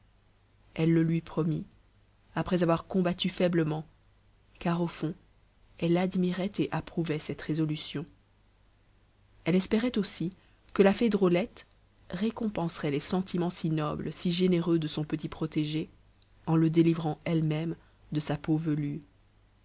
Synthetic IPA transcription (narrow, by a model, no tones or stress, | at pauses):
ɛlːəlɥipχɔmi | apχɛzavwaʁkɔ̃bat̪yfɛbləmɑ̃ | kaʁofɔ̃ | ɛlad̪miʁɛt̪eʔapχuvɛsɛt̪ʁezɔlysjɔ̃ | ɛlɛspeʁɛt̪osi | kəlafed̪ʁolɛt̪ | ʁekɔ̃pɑ̃sʁɛlɛsɑ̃t̪ʰimɑ̃sinɔblsiʒeneʁød̪əsɔ̃pət̪ipχɔt̪eʒe | ɑ̃ləd̪elivʁɑ̃ɛlmɛm | d̪əsapovəly